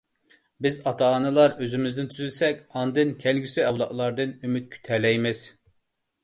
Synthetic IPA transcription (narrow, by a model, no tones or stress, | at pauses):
bɪzɑt̪ʰɑːnɨlˠɑɾøzymɪzd̪ɪnt̪ʰyzɪsɛkʲɑnd̪ɨnkʲʰɛlɡʲysɪɑwlˠɑʔlˠɑɾd̪ɨnymyt̪̚kʲʰy̥t̪ʰɛlɛjmɪz̥